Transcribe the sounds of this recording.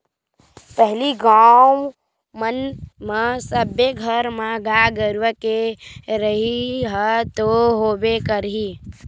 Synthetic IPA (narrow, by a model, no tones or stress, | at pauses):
pəɦliɡa | mənməsəbeɡʱəɾmaɡaɡəɾʋəkeɾəɦiɦət̪oɦoːbekəɾɦi